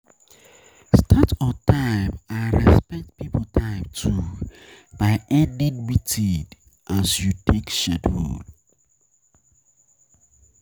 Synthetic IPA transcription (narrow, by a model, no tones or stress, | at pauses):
stʰatʰɔtaɪmãɹɛspɛk̚tpipʰotʰãɪmtʰu | b̥aɪɛdidwitʰid | ʔasjutʰekʃɛdhṵd̥